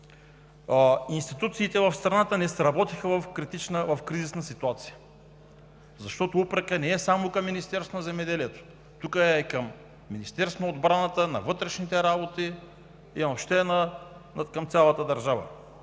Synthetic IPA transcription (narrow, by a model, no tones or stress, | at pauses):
inst̪it̪ut̪siːt̪ɛvɐfst̪ɾɐnat̪ənɛsɾɐbɔt̪ixəvɐfkɾit̪it͡ʃnəvɐfkɾizisnəsit̪uat̪sijə | zɐʃt̪ɔt̪oupɾəkənɛɛsamokɐmːinist̪ɛɾsvonəzɛmɛd̪ɛliɛt̪o̥ | t̪ukəɛkəmː | inist̪ɛɾsnod̪bɾanət̪ənɐ̰vɤt̪ɾɛʃnit̪ɛɾabot̪i | inɐpʃt̪ɛnə | kɐmt̪sʲalˠət̪əd̪ɐɾʒavə̰